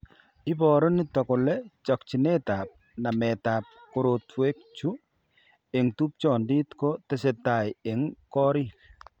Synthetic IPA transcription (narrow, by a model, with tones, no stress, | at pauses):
ɪ˦bɔ˨ɾɔ˦nɪ˦tɔ˨kɔ˨lɛ˦t͡ʃɔ˨k̚t͡ʃi˨ne˦ta˨p̚ | na˨mɛ˨ta˨p̚ko˦ɾo˨twe˦k̚t͡ʃu˦ | e˨ŋtu˦p̚t͡ʃɔ˨ndi˦tko˦te˦se˨ta˨je˨ŋkɔ˦ɾi˦